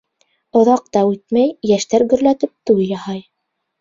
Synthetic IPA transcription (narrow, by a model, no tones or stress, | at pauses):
ŏðɑq̚t̪ɑʉt̪mæjjæʃt̪æɾɡɵ̆ɾlæt̪ɘp̚t̪ujjɑhɑj